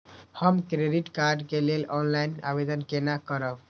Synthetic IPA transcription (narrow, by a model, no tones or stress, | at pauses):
həmkɾeɖiʈkaɾɖkelelɔnlajna̰bed̪ənkenakəɾəb